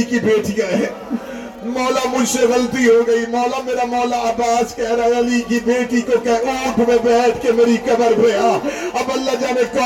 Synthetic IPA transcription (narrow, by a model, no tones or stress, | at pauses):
kibeːʈɪjaɦɛː | mɔːlamʊd͡ʒʱseɣɐlt̪iɦoɡɐimɔːlameːɾamɔːlaaːbaːskɛɦɾaɛɐlikibeːʈikokɛuːʈmẽbɛːʈʰkemeːɾikɐbəɾpejaːɐbɐlːad͡ʒaːnẽkɔː